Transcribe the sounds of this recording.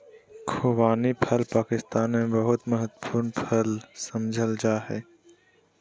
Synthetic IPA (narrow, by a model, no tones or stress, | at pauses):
kʰoːwaːnipʰəlpaːkɪst̪aːnmẽbəɦʊt̪mɐɦət̪pʰuːɾnpʰəlsɐmd͡ʒʱəld͡ʒaɦɛː